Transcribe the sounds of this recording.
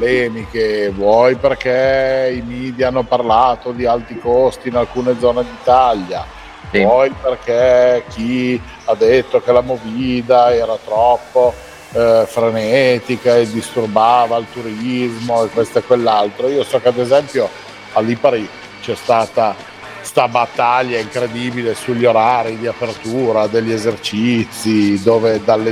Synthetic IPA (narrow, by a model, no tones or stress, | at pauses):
lɛːmikevwɔjperkeimiːd̪ianːoparlaːt̪od̪ialt̪ɾikost̪iːnalkuːned̪zɔːned̪it̪alːa | vɔjperkek̟i | ad̪ːet̪ːokelamoviːd̪aɛːɾat̪ɾɔpːo | fɾenɛːt̪ikaed̪ist̪urbaːvailt̪uɾizmoekːwest̪oekwelːalt̪ɾoiːosɔːkead̪ezɛmpjo | alːipaɾi | t͡ʃɛst̪aːt̪a | st̪abat̪ːaʎːaiŋkɾed̪iːbilesuʎːoɾaɾid̪iapert̪uːɾad̪eʎːiezert͡ʃit̪sːid̪oːved̪alːe